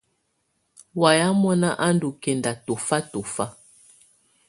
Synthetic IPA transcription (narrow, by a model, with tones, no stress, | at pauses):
wa˨ja˦mɔ˦na˦ʔa˦ndu˨kɛ˨nda˨to˨fa˦to˨fa˦